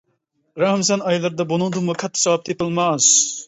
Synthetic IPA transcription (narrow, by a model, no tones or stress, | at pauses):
ɾɑhms̬ɛnɑjlˠɨɾd̪ɑbunɨŋd̪umukʰɑt̪ʰːɪ̥sɑwɑp̚t̪ʰepɨlˠmɑs